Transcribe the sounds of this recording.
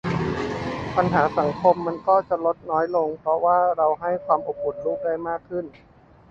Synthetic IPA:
pa˧nɦaː˩˦sa˩˦ŋkʰo˧mːa˧nkɔː˥˩t͡ɕa˨˩lo˦˥t̪̚nɔː˦˥jlo˧ŋpʰɾɔ˦˥waː˥˩ɾa˧wɦa˥˩jkʰwaː˧mʔo˨˩p̚ːu˨˩nluː˥˩k̚daː˥˩jmaː˥˩kʰːɯ˥˩n

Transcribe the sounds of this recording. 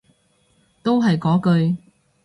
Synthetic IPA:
t̪o˥wɦɐ˨jkɔː˨˥kɵ˧ɥ

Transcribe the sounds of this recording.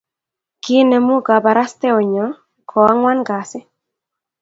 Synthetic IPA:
kɪ˦nɛ˨mu˦ɡa˨ba˨ɾa˦st̪ɛ˦ɔ˨ɲɔ˨˦ | kʰɔ˨a˦ŋwa˦nɡa˨sɪ˦

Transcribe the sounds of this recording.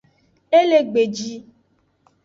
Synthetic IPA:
e˦le˨ɡ͡be˨d͡ʒi˦

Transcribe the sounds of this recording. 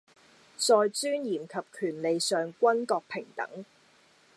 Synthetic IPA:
t͡sɔː˧jt͡syː˥njiː˨˩mkʰɐ˨p̚kʰyː˨˩nle˨jsœː˨ŋkʷɐ˥nkɔː˧k̚pʰɪ˨˩ŋt̪ɐ̰˨˥ŋ

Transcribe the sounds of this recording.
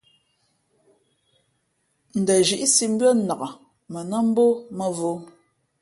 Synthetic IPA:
n̩˨də˨ʒi˨˦ʔi˦si˦m̩˦bɰə˦na˨ɣa˨ | mə˨nə˦m̩˦bo˦mə˨vo˦

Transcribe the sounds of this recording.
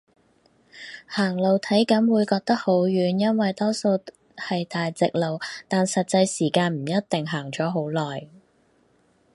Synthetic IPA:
haː˨˩ŋlo˨wt̪ʰɐ˨˥jkɐ˨˥nwuː˨˧jkɔː˧k̚t̪ɐ˥k̚ho˨˥wjyː˨˧njɐ˥nwɐ˨jt̪ɔː˥so˧w | hɐ˨jt̪aː˨jt͡sɪ˨k̚lo˨wt̪aː˨nsɐ˨t̚t͡sɐ˧jsiː˨˩kaː˧nm̩˨˩jɐ˥t̚t̪ɪ˨ŋɦaː˨˩ŋt͡ʃɔː˨˥ɦo˨˥wlɔː˨˩j

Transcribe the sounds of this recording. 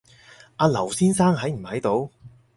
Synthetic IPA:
aː˨˧lɐ˨˩wsiː˥nsaː˥ŋɦɐ˨˥jm̩˨˩hɐ˨˥jt̪o˨˧w

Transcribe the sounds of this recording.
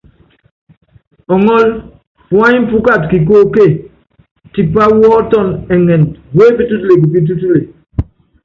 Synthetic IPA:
ɔ˨ŋɔ˦l | fu˨a˦ɲ˦m̩˦pu˦ka˦˨tki˨k̬o˦ke˦˨ | ti˨pa˦wɔː˦tɔ˦˨nɛ˨ŋɛ˨nɡwe˦pi˦tu˦tu˦le˨k̬i˨pi˦t̬u˦t̬u˦le˨

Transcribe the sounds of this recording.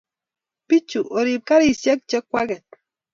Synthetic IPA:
pi˦t͡ʃu˨ʔo˨ɾi˨p̚ka˦ɾi˨sjɛ˦k̚t͡ʃɛ˦kːwa˦ɡɛ˨t̚

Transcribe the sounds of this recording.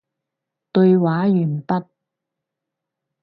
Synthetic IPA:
t̪ɵ˧ɥwaː˨˥jyː˨˩npɐ˥t̚

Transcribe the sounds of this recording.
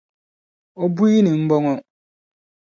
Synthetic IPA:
ɔ˦bu˦i˦nɪ̃˨m̩˦bɔ˦ŋɔ˦

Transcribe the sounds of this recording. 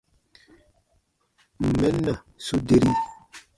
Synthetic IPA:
m̩˨mɛ˦na˨ | su˦de˦˨ɾi˦

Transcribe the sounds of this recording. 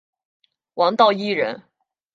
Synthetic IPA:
wɑ˧˥ŋt̪ɑ˥˧ʊi˥˩ɻə̰˧˥n

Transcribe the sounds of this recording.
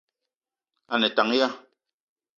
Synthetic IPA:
a˨nɛ˨ta˨ŋ˦ja˦

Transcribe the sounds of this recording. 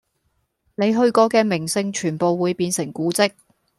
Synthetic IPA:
ne˨˧jɦɵ˧ɥkɔː˧kɛː˧mɪ˨˩ŋsɪ˧ŋt͡ʃʰyː˨˩npo˨wːuː˨˧jpiː˧nsɪ˨˩ŋkuː˨˥t͡sɪ˥k̚

